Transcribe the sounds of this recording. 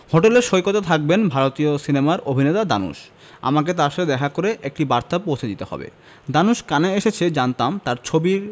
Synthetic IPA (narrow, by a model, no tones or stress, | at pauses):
hoʈeleɾʃojkot̪at̪ʰak̚benbʱaɾot̪iosinemaɾobʱinet̪ad̪a̰nṵʃ | a̰maket̪̬aɾʃaed̪ɛkʰakoɾeʔek̚ʈibaɾt̪apowt͡ɕʰed̪it̪ehɔ̰bḛ | d̪anuʃkaneeʃet͡ɕʰed͡ʑant̪amt̪aɾt͡ɕʰobiɾ